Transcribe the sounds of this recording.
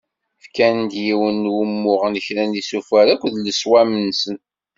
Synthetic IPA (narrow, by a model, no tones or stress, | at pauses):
fkænd̪jiwənːwumːʊʁənəçɾænisufæɾækʷðləswæmənsən